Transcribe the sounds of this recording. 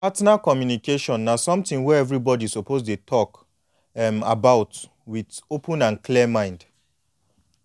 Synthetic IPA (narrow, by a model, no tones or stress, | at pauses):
patnakɔmjunikeʃɔ̃nːasɔ̃mtɪ̃ŋwɛɛvɹibɔdisopozdetʰɔk | ɛma̰baʊt | widopʰũnãnklimãɪ̃nd